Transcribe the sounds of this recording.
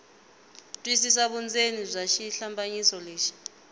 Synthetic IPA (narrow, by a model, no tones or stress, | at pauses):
tʼwisis̬aɓund͡zʱenizʷaʃiɬambʱʼaɲisɔleːʃi̥